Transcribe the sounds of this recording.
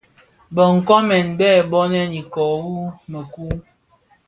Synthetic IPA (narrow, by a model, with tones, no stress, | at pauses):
bə˨ŋ̩˨kɔ˦mɛ˨nbɛː˦˨bɔ˦nɛ˦ni˨kɔ˨wu˦mə˨ku˦